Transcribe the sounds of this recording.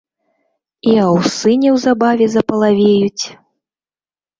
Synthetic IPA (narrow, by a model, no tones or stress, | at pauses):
iawsɨnʲɛwzabavʲɛzɐpɐlˠavʲejut͡sʲ